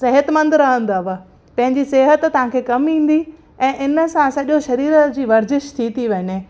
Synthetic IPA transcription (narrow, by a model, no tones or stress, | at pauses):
sɐɦət̪mə̃nd̪ɾɐɦə̃nd̪aːʋə | pɐ̃ɦɪ̃ɲd͡ʑiseːɦət̪t̪ːɐʋ̤ãkʰeːkɐmĩːn̆d̪i | ɛ̃ːʔɪnə̆sãsɐʄoʃɐɾiːɾd͡ʑiːʋɐɾd͡ʑɪʃt̪ʰit̪ʰiʋɐne